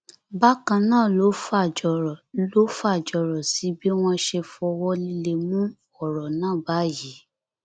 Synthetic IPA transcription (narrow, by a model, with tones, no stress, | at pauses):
ba˦kã˧nãː˦˨lo˨˦fa˦˨d͡ʒɔ˨˧ɾɔ˨lo˦fa˦˨d͡ʒɔ˧˨ɾɔ˨si˨˦bi˦w̃ɔ̃˧ʃe˧fɔ˧wɔ˦li˧le˧mũ˦ | ɔ˦˨ɾɔ˨nãː˦˨ba˨˦ji˨˦